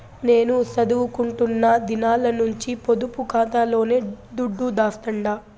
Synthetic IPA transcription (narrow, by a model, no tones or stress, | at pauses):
ne̞ːnusɐd̪uʋukuɳʈunːɐd̪inaːlɐnuɲt͡ʃipo̞d̪upukaːt̪aːlo̞ːne̞ːd̪uɖːud̪aːst̪ɐɳɖaː